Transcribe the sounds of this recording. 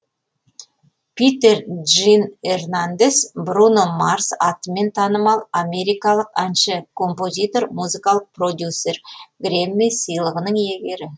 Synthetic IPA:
pʲit̪e̞rʒine̞rnand̪e̞sbrunomarsɑt̪əme̞nt̪ʰɑnəmɑlˠame̞ɾijkɑlˠəqænʃəkʰo̞mpo̞zʲijt̪o̞rmuzɨkɑlˠəq̚pro̞d̪ʲjusːe̞rɡremːijsəjlˠəʁənəɴje̞ɡʲe̞ɾɪ

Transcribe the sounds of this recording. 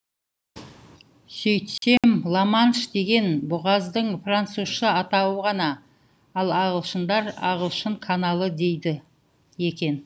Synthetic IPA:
sɵjt̪se̞mlˠɑmɑnʃd̪e̞ɡʲe̞nbʊʁɑzd̪əɴfrant̪suz̥ʃəɑt̪ɑwəʁɑnɑ | ɑlˠɑʁəlˠʃənd̪ɑɾɑ̰ʁəlˠʃəɴkʰanɑlˠəd̪e̞jd̪ɪ | je̞kʲe̞n

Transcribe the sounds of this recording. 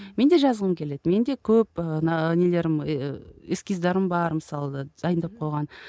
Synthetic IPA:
me̞nd̪e̞ʒɑzəʁəmkʲʰe̞le̞d̪ɪme̞nd̪e̞kʲʰɵpənnele̞ɾɪm | eskʲizd̪ɑɾɪmbɑɾməsɑlˠəd̪ɑd̪ɑjənd̪ɑp̚qʰojʁɑn

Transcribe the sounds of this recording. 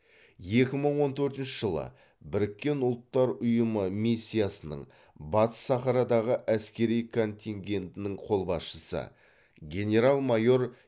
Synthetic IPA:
je̞kʲɪməɴwo̞nt̪ʰɵɾt̪ɪnʃəʒəlˠə̰ | bɪɾɪkʲːe̞nʊlˠt̪ːɑɾʊjəməmisʲːijasənə̰ɴ | bɑt̪ə̥sːɑχɑɾɑd̪ɑʁəʔæskʲe̞ɾijkʰo̞nʲt̪ʲiŋɡʲe̞nt̪ɪnɪɴqʰo̞lˠbɑsʃəsə̰ | ɡʲe̞nʲe̞ɾalˠmɑjo̞ɾ

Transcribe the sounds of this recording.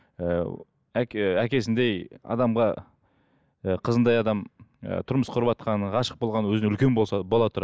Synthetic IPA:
ə | æækʲe̞sɪnd̪e̞jɑ̰d̪ɑmʁɑ | əqʰəzənd̪ɑjɑd̪ɑmə̰t̪ʰʊɾməsqʰʊɾəpɑt̪̚qɑnəʁɑʃə̥q̚bo̞lˠʁɑnəwɵzɪɪʏlkʲe̞nbolsɑbo̞lˠɑt̪ʰʊɾɑ

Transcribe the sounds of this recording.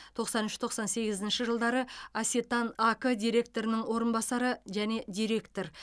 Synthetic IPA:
t̪ʰo̞qsɑnʏʃt̪ʰo̞qsɑnse̞ɡʲɪzɪnʃɪʒəlˠd̪ɑɾəasit̪ɑnakəd̪ijɾe̞k̚t̪o̞ɾɪnɪŋwo̞ɾənbɑsɑɾəʒæne̞d̪ʲijɾe̞kt̪o̞ɾ

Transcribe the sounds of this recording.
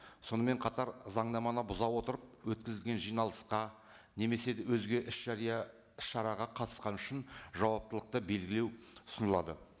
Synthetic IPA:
so̞nəme̞ɴqʰɑt̪ɑɾzɑɴd̪ɑmɑnəbʊzɑwo̞t̪əɾəp̚wɵt̪̚kʲɪzɪlɡʲe̞nʒijnɑlˠəsqɑ | ne̞me̞se̞d̪ɪwɵzɡʲe̞ʔɪʃɑɑ | ɪsʃɑɾɑʁɑqʰɑt̪ə̥sqɑnʏʃɪnʒɑwɑp̚t̪əlˠəq̚t̪əbe̞lɡʲɪlewʊ̥sənəlˠɑ̰d̪ə

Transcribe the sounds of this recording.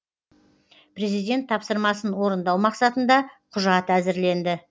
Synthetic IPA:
pɾe̞zijd̪ʲe̞nt̪ʰːɑpsəɾmɑsənwo̞ɾənd̪ɑwmɑqsɑt̪ənd̪ɑqʰʊʒɑt̪æzɪɾle̞nd̪ɪ

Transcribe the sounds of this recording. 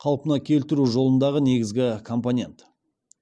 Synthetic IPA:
qʰɑlˠpənɑkʲʰe̞lt̪ɪɾuʒo̞lˠənd̪ɑʁəne̞ɡʲɪzɡʲɪkʰo̞mponʲe̞nt̪

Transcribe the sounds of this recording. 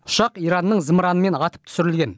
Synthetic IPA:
ʊ̥ʃɑqijɾɑnːəɴzəmɾɑnəme̞nɑt̪ə̥p̚t̪ʰʏ̥sɪɾɪlɡʲe̞n

